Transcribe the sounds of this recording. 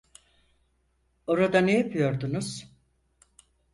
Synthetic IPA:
o̞ɾad̪anejapʰɯjo̞ɾd̪unuz̥

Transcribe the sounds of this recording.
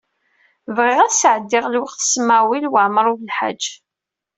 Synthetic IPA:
vʁɪʁæsʕəd̪ːɪʁlwəqθə̥smawilwəʕmɾˤuðəlħa̰d͡ʒː

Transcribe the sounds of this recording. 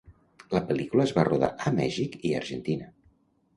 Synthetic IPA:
ləpəlikuləːzβaroða̰ʔəmɛ̰ʒikiə̰ɾʒənt̪inə

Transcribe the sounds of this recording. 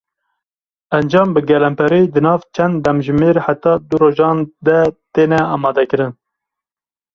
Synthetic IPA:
ænd͡ʒɑːmbɨɡɛlɛmpʰɛɾed̪ɨnɑːvt͡ʃʰɛnd̪ːɛmʒɨmeːɾħat̪ɑːd̪uɾoːʒɑːnd̪ɛt̪eːnɛɑːmɑːd̪ɛkɨɾɨn

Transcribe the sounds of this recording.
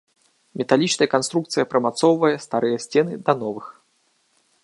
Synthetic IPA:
mʲɛt̪alʲit͡ʂnɐjɐkan̪st̪ɾuk̚t̪sɨjɐpɾɐmat̪sɔwvɐjɐst̪aɾɨjɐsʲt͡sʲɛnɨd̪ɐnɔvɨx

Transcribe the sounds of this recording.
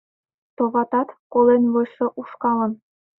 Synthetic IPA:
t̪oʁɑt̪ɑt̪kolenβɤʃɤ̆ʔuʃkɑlɤ̆n

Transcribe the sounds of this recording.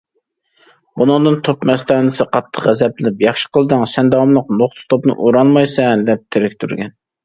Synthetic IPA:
bunɨŋd̪ɨnt̪ʰopmɛst̪ʰɑːnɨsɨqʰɑt̪ʰːə̥χʁæzɛplɪlɪpjɑχʃə̥qʰəlˠd̪ɨŋsɛnd̪ɑwmlˠəqnoχt̪ʰɨ̥t̪ʰopnɨ̰ʔuɾɑnmɑjsɛd̪ɛp̚t̪ʰɪɾɪkʲt̪ʰyɾɡʲɛn

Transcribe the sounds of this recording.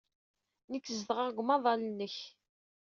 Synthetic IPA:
nəkːzðʁəʁɡʷmɑðˤɑlənːəç

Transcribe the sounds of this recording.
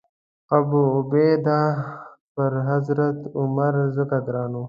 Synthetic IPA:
qabuːbeːd̪apəɾɦazɾat̪ʊmaɾzəkaɡɾɑːnu

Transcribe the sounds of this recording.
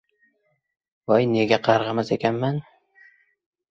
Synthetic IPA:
vajne̞ɡʲaqʰɑɾʁɑmazekʲʰanman

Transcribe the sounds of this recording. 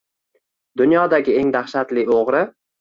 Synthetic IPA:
d̪ʊnjɒd̪aɡʲɪe̞ŋd̪aχʃat̪lɪoʁɾɪ

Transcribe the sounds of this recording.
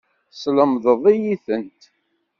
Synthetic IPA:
sləmðˤəðˤijiθənt̪

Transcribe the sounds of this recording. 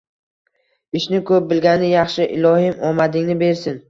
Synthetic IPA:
ɪʃnɪkʰɵp̚bɪlɡʲanɪjɑχʃɪʔɪ̰lˠɒhɪmɒmad̪ɪŋnɪbe̞ɾsɪn

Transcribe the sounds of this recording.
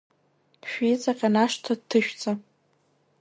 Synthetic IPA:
ʃᶣit͡sʼaqʲʼanaʂtʰadtʰːɨʃᶣt͡sʼa

